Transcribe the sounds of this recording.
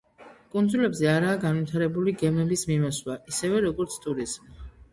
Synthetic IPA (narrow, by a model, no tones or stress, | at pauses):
kʼund̪zulɛbzɛaɾaːɡanvit̪ʰaɾɛbuliɡɛmɛlismimɔswaʔisɛvɛɾɔɡɔɾt̪sʰt̪ʼuɾizm